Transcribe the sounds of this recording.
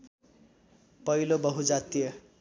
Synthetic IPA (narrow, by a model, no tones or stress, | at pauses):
pʌɦilobʌɦud͡zat̪ijʌ